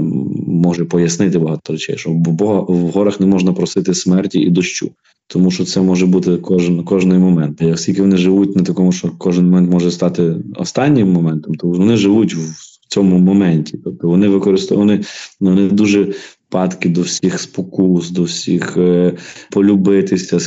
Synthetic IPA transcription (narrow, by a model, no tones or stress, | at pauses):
mɔʒɛpɔjɐsnɪt̪ɪbɐɦɑt̪ɔɾɛt͡ʃɛ̰jʃt͡ʃɔbɔɦɐʋɦɔɾɐxnɛmɔʒnɐpɾɔsɪt̪ɪsmɛrtʲiid̪ɔʃt͡ʃṵ | t̪ɔmuʃt͡ʃɔt̪sɛmɔʒɛbut̪ɪkɔʒnkɔʒnɔjmɔmɛnt̪jɐksʲkʲilʲkɪʋɔnɪʒɪʋut̚ʲnɐt̪ɐkɔmʊʃt͡ʃɔkɔʒɪnmɔmɛnt̪mɔʒɛst̪ɑt̪ɪɔ̰st̪ɑnʲːɪmːɔmɛnt̪ɔmt̪ɔʋɔnɪʒɪʋutʲw | t͡sʲɔmʊmɔmɛnʲtʲit̪ɔb̚t̪ɔʋɔnɪʋɪkɔɾɪst̪ʋɔnɪɔnɪd̪uʒɛ | pɑt̪kɪd̪ɔwsʲixspɔkusd̪ɔwsʲix | pɔlʲʊbɪt̪ɪsʲɐ